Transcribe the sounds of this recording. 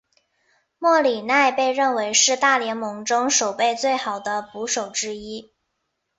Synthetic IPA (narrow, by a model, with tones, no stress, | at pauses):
mwɔ˥˩li˨˩na˥˧ɪpe˥˧ɪɻə˥˩nwe˧˥ɪʂɻ̩˥˧t̪a˥˩ljɛ˧˥nmɤ˧˥ŋʈ͡ʂʊ˥ŋʂo˨˩ʊpe˥˧ɪt͡swe˥˩ɪxɑ˨˩ʊd̪ə˦pu˧˥ʂo˨˩ʊʈ͡ʂɻ̩˥i˥